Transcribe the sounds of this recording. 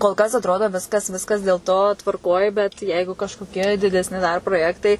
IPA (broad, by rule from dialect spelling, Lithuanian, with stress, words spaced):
koːlˠ ˈkɐs ɐtˈroːdoː ˈʋʲɪskɐs ˈʋʲɪskɐs dʲeːlˠ ˈtoː tʋɐrˈkoːj bʲɛt ˈjɛɪɡʊ kɐʃkoːˈkʲiɛ dʲɪdʲɛsʲˈnʲɪ dɐr proːˈjæːktɐɪ